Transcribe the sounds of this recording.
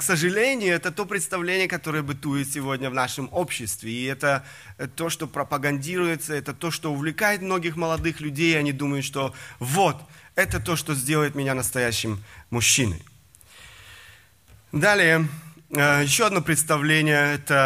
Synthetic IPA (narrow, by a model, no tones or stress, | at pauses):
ksəʐɨlʲenʲɪjʊɛt̪ət̪o̞pɾʲɪt̪st̪ɐvlʲenʲɪjəkɐt̪o̞ɾəjəbɨt̪ujɪt̪sʲɪvo̞dʲnʲəvnaʂɨmopɕːɪst̪vʲɪɪɛt̪ə | t̪o̞ʂt̪o̞pɾəpəɡɐnʲdʲiɾʊjɪt̪səɛt̪ət̪o̞ʂt̪o̞ʊvlʲɪkajɪt̪mno̞ɡʲɪxməlˠɐd̪ɨxlʲʉdʲejɐnʲid̪uməjʊt̪ʂt̪o̞vot̪ɛt̪ət̪o̞ʂt̪ozʲdʲe̞lˠəjɪt̪mʲɪnʲanəst̪ɐjæɕːɪmmʊɕːinɨ̰ | d̪alʲɪjəəjɪɕːo̞ɐd̪no̞pɾʲɪt̪st̪ɐvlʲenʲɪjəɛt̪ə